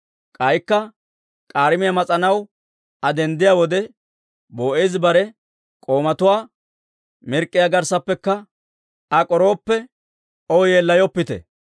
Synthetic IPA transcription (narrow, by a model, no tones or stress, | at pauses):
kʼɐjkːɐ | kʼaːɾɪmɪjamɐt͡sʼɐnɐw | ɐd̪ɛnd̪ɪjaːwɔd̪ɛ | bo̞ːʔeːzbɐɾɛ | kʼoːmɐt̪ʊwaː | mɪɾkʼːɪjaːɡɐɾsɐpːɛkːɐ | ɐkʼɔɾo̞ːpːɛ | ɔjeːlːɐjɔpːɪt̪ɛ̰